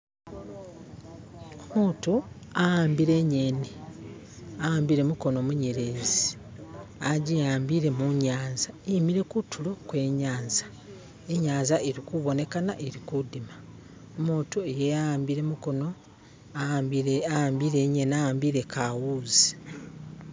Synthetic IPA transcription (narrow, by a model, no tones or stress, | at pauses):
omuːtu | ajaːmbiɾe̞ɲeni | ajaːmbiɾe̞muko̞no̞muɲeɾe̞ːzi | aɟijaːmbiɾe̞muɲaːnzaeimiɾe̞kutʰːulokwe̞ːɲaːnzḁ | e̞ɲaːnzaeɾikuβo̞ne̞kanaʔeɾikudima | omuːtuejejaaːmbiɾe̞muko̞no̞ | aːmbiɾe̞ɲe̞niajaːmbiɾe̞kʰawuzi̥